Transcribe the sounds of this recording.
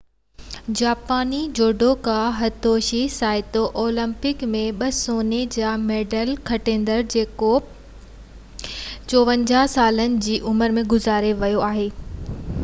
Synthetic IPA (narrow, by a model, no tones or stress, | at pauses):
d͡ʑaːpaːnid͡ʑoːɖokaɦɐt̪oːʃisaːɪt̪oʔoːlə̃mpɪkmẽɓɐsoːned͡ʑaːmeːɖəlkʰɐʈẽːnd̪əɾd͡ʑeːko | t͡ɕoːʋə̃nd͡ʑaːsaːlənɪ̆d͡ʑiːʔʊməɾmẽɡʊzaːɾeʋɐjoaːɦeː